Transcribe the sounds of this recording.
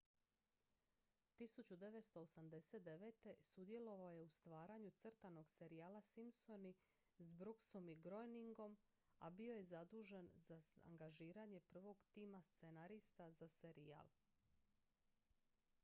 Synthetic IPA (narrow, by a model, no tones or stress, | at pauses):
t̪isut͡ɕud̪e̞ʋe̞t̪st̪o̞osamd̪e̞se̞t̪̚d̪e̞ʋe̞ːt̪e̞sud̪je̞lo̞ʋaoje̞ust̪ʋaːɾaɲut̪sɨrt̪ano̞ɡse̞ɾijaːlasimso̞ni | zbɾukso̞miɡɾo̞jniŋɡo̞m | abio̞je̞zad̪uːʒe̞nzaa̰ŋɡaʒiːɾaɲe̞pr̩ʋo̞ɡt̪iːmast̪senaɾist̪azase̞ɾija̰ːlˠ